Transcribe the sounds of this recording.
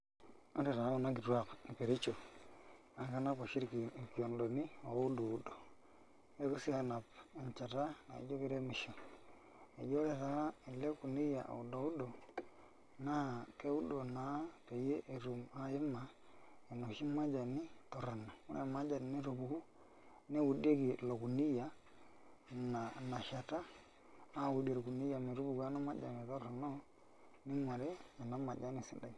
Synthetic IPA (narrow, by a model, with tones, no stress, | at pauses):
o̰˦ɾi˨ɾa˨˦u˨na˦ɡi˨ɾu˦a˦˨kni˨pe˨ɾi˦t͡ʃo˨ | a˨ka˦na˦ko˨ʃi˦ɾki˨ki˨o˨ndo˨ni˦o˨˦u˦do˨u˦do˨ | e˦ku˦si˦a˨na˨pi˨ɲt͡ʃa˨ɾa˦na̰˨ḭ˨d͡ʒo˦ki˦ɾe˦mi˨ʃo˨ | e˨d͡ʒo˦ɾe˦˨ta˨˦i˨le˦ku˨ni˦ja˨ʔa̰˨u˨do˨u˦do˨ | na˦ke˦u˦do˨na˨˦pe˨je˦ʔe˨ɾu˨ma˦ji˦ma˨ | e˨no˨ʃi˦ma˦d͡ʒa˨ni˦tɔ˨ɾa˨nɔ˨u˦ɾʔḛ˨ma˦d͡ʒa˨n˨ni˦ɾu˨bu˨ɡu˦ | nɛ˦wu˨de˦ki˨lo˨ku˨ni˦ja˨ | na˨na˨ʃa˨ta˦ | a˦˨wu˨de˨ɾku˨ni˦ja˨mi˨ɾu˦bu˨ɡa˦nɔ˦ma˦d͡ʒa̰˨mi˨tɔ˦ɾɔ˨nɔ˦ | ni˦ma˨ɾe˦ɲa˨na˦ma˨d͡ʒa˦ni˦˨sḭ˦da˨i˨